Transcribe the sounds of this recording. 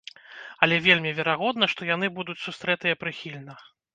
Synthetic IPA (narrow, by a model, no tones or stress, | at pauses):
ɐlʲɛvʲelʲmʲivʲɛɾaɣɔd̪nɐʂt̪ɔjan̪ɨbud̪ut͡sʲsust̪ɾɛt̪ɨjɐpɾɨxʲilʲnɐ